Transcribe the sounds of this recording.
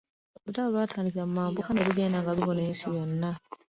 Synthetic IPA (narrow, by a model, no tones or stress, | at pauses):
βutaolwaːtʰaːndikiɾammaːmbukaneβiɡeːnaŋɡaβiβonensijonːa